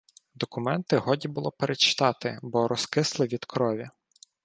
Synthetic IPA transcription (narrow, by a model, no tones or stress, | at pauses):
d̪ɔkʊmɛnt̪ɪɦɔdʲibʊlˠɔpeɾʔet͡ʃɪ̥t̪ɑt̪ɪbɔɾɔskɪslˠɪʋʲid̪̥kɾɔʋʲi